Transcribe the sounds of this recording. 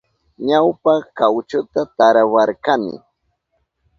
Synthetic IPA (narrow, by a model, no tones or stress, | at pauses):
ɲawpakawt͡ʃʊt̪at̪aɾawaɾkamɪ̰